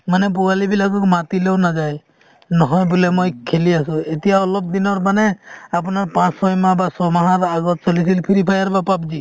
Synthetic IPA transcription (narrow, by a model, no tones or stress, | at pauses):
manɛp̬uɡalibilaɡɔkmat̪ilewnad͡ʒaj | nɔɦɔjbulemojkʰeliasũet̪ijaɔlɔb̚d̪inɔɾmaneap̬naɾpãt͡ʃsɔjmãbasɔmaɦaɾaɡɔt̪̚t͡ʃɔlis̬ilpʰiɾipʰajaɾbapab̚d͡ʒi